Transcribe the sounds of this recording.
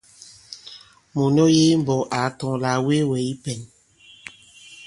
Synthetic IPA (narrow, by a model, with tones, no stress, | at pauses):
mo˨nɔ˦je˦m̩˨bɔ˨ʔa˨˦tɔ˨ŋ˨la˨we˦wɛ˨i˦pɛ˨n